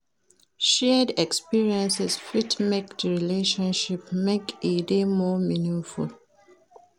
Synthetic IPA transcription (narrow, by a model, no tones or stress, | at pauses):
ʃɛdɛkspiɹiə̃nsɛsfitmekdɹileʃɔ̃nʃipmekedemɔminĩŋfṵl